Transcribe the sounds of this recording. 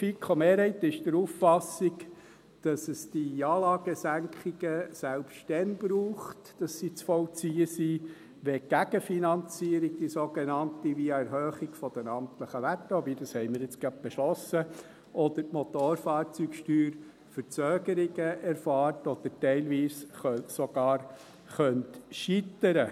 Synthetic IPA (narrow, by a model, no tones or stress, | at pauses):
fikʰɔmeːɾhɛɪt̪ɪʃd̥əɾufːɑsiɡ | d̥ɑsəsd̥iɑːlɑːɡəsæŋkʰχɪɡəsælpʃttɛnbɾuːχtd̥ɑsːit͡sfɔlt͡siːəsi | ʋɛɡ̥æɡ̥əfinɑnt͡siːəɾiɡ̚d̥isoɡenɑnt̪iʋiɛɾɦøːχɪɡ̥fɔd̥ɛnɑmtləχəʋætːəobiːd̥̪ɑshɛɪməɾjɪt͡sɡ̥ɑb̚b̥ɛʃlɔsə | ʔɔd̪ətmɔt̪oːɾfɑːɾt͡syːkʃtyːɾ | fəɾt͡søːɡ̥əɾɪɡəʔɛɾfɑːɾtɔd̪̥əɾtɛɪlʋiːsχsɔɡ̥ɑːɾ | χœntʃit̪əɾə